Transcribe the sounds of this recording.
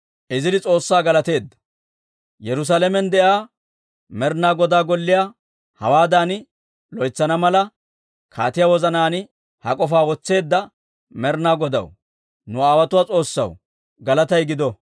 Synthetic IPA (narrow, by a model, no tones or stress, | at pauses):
ʔɪzɪd̪ɪt͡sʼo̞ːsːaːɡɐlɐt̪e̞ːd̪ːɐ̥ | jɛɾʊs̬aːlɛmɛnd̪ɛʔaː | mɛɾnaːɡɔd̪aːɡɔlːɪjaː | hɐ̰waːd̪aːnɪ | lɔjt͡sːɐnɐmɐlɐ | kʰa̰ːt̪ɪjaːwɔzɐnaːnɪ | hɐ̰kʼɔfaːwɔt͡sːe̞ːd̪ːɐ | mɛɾnaːɡɔd̪ɐ̰w | nʊaːwɐt̪ʊwaːt͡sʼo̞ːsːɐ̰w | ɡɐlɐt̪ɐjɡɪd̪ɔ